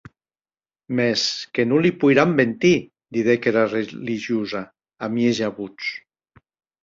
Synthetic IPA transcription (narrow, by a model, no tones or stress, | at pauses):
meskenulipujɾambent̪i | d̪iðekeɾareliʒjuza | amieʒaβut͡s